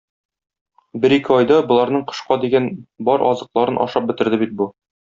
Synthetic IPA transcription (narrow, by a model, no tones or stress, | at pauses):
bɘɾikɘɒjd̪ɑbŏlˠɑɾnɤɴqɤ̥̆ʃqɑd̪iɡænbɒɾɒ̰zɤ̆qlˠɑɾɤnʔɒ̰ʃɑp̚bɘ̆t̪ɘ̆ɾd̪ɘbit̪̚bu